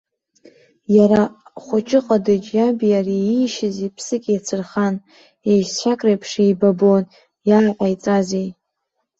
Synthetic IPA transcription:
jaɾaχʷʊt͡ʃʰʼɪqʼadɨt͡ʃʼjabijariiʃɪzipʰsɨkʲʼjat͡sʰɨrχan | ejst͡ɕʷakʼrejpʰʂejbabon | jaʕqʷʼajt͡sʼazej

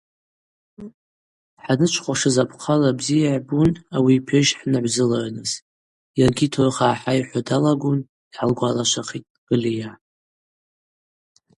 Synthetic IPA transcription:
ħanɨt͡ʃʷʰχʷaʂɨzapʰqʰalabzijaʕbunawipʰeʒħnaʕʷzɨlaʕnɨz | jarɡʲitʰorχaːħajħʷadalaɡʷun | iʕalɡʷalaʃʷʰaχitʼɡ̥ɨlija

